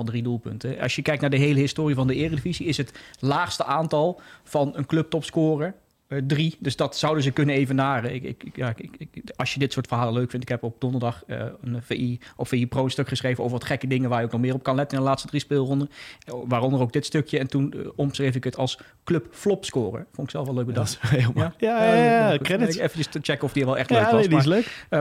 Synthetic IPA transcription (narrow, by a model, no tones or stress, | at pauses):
dridulˠpɵ̰ntəɑ̰sjəkɛjk̚tnaːɹdəɦejləɦɪstoːriəvɑndəɪːrədəviziɪsɦətlaːχstəʔaːntɑlˠv̥ɑnənklɵp̚tɔpskoːrə | dridɵsdɑtsʌwdəzəkɵnənejvənːaːrəɪɪ̰jaɑlˠsjədɪtsʊːɹtfərɦaːləløɥkfɪntɪkɦɛpɔp̚d̥ɔndəɹdɑχənveʔiɔpfeiprowənstøkχəsχrejvəno̰ːwvəɹʋɑtχɛkədɪŋənʋaːɹjəowknɔχmɪːrɔp̚kɑnlɛtənɪndəlaːtstədrispɪːlˠrɔndəʋaːrɔndərowɡ̚dɪtstøkjəɛntunɔmsrejvɪkətʰɑlˠs | kløpflɔpskoːrə̰fʊntɪksɛlˠfɑlˠøːk̚ɡbədɑtemajakɛdɪefənəsət͡ʃɛkəɔfdiəɹʋɛlˠɛχtløːʋsdɪsløɥkə